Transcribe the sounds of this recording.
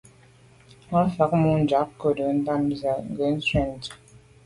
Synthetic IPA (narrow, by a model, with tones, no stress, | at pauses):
a˦fa˨˦k̚mu˦n̩˨˦d͡ʒa˨˦k̚kə˦də˨˦n̩˦ta˦m˨za˨ŋ̩˦˨ɡə˨˦n̩˦swɛ˦˨n˨t